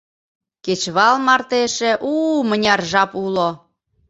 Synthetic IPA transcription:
ket͡ɕβɑlmɑrt̪eʃĕʔumənʲɑrʒɑpulo

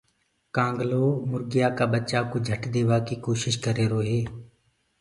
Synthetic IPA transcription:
kãːŋɡloːmʊɾɡɪjaːkaːbətːt͡ʃaːkoːd͡ʒʱəʈd̪eːʋaːkiːkoːʃɪʃkəɾeːɾoːɦeː

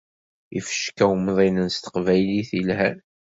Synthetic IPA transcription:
ifə̥ʃkæwmðˤinənst̪ə̥qvæjliθilhæn

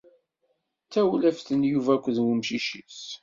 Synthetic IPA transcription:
t͡sːæwlæfθənjuvækʷːðwumʃiʃət͡s

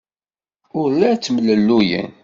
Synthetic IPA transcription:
ʊɾlæt͡sːmələlːujə̰n

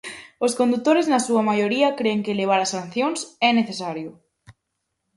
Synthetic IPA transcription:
oskond̪ut̪ːoɾeznasuɐmajoɾiɐkɾeːŋkeleβ̞aɾasan̟θjoŋsɛneθesaɾjʊ

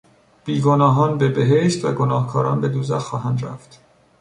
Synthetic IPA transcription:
b̥iːɡonɒːɦɒːnbebeɦeʃt̪væ̰ɡonɒːhkʰɒːɾɒːnbe̞d̪uːzæxɒːɦænd̪ɾæ̰ft̪

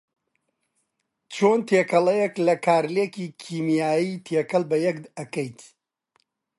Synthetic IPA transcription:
t͡ʃʰoːnt̪ʰeːkʰɐlɐjeklɐkʰaːɾlekiːkʰiːmjaːjiːt̪ʰekɐlˠbɐjɛk̪ɐkɐjt̪ʰ

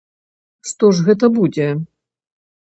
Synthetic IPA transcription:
ʂt̪ɔʐɣɛt̪̬ɐbud͡zʲɛ

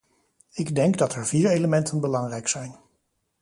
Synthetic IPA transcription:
ɪɡdɛŋɡdɑtɛɹviːɹejləmɛntʰənbəlɑŋrɛjksɛjn

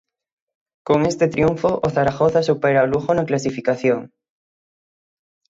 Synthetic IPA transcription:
koŋest̪et̪ɾijuɱfoʔoθaɾaxoθasupeɾaoluxonoklasifikaθjoŋ

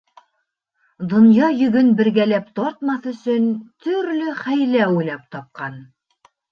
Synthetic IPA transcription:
d̪ŏnjɑjɵ̆ɡɵnbɘ̆ɾɡælæpt̪ɒɾt̪mɑθɵ̆sɵnt̪ʰɵ̆ɾlɵχæjlæujlˠɑp̚t̪ɑp̚qɑn

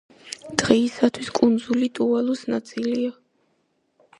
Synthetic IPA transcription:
d̪̥ʁɛːsat̪ʰwiskʼund̪zulit̪ʼuɛlˠɔsnat̪sʼilia

